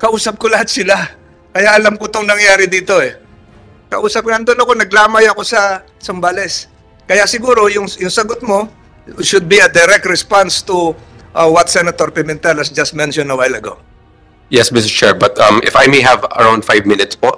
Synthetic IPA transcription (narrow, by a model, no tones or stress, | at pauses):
kɐʔuːsɐp̚kolɐhat̪̚sɪla | kɐjaʔɐlamkot̪oŋnɐŋjaːɾɪd̪iːt̪o̞ɛ | kɐ̰ʔuːsɐp̚ŋɐɐnd̪onɐko̞nɐɡlaːmɐjɐko̞sɐ | sɐmbalɛs | kɐjasɪɡuːɾo̞jʊŋjʊŋsɐɡot̪̚mo̞ | ʃʊd̪̚biɐd̪ɛɾɛk̚t̪ɹɛspanst̪uʔɐwɐt̪sɛnɐt̪oɹpɛmɛnt̪ɛlɐsd͡ʒɐst̪̚mɛnʃɔ̃nɐwajlɐɡo̰w | jɛsmɪs̬ɪst͡ʃɛɹbɐt̪ɐmɪ̰fajmejɦɐvɐ̰ɹãwnd̪fajvmɪnɪt̪spoʔ